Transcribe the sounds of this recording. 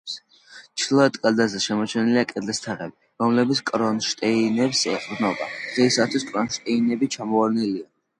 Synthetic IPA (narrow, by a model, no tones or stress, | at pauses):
s | t͡ʃʰlˠɔɛt̪ʼkʼald̪azɛʃɛmɔt͡ʃʰɛniliakʼɛd̪lɛst̪ʰaʁɛbi | ɾɔmlɛbit̪skʼɾɔnʃt̪ʼɛinɛpsɛqʼbnɔba̰d̥ʁɛisat̪ʰwiskʼɾɔnʃt̪ʼɛinɛbit͡ʃʰamɔaɾnɛlia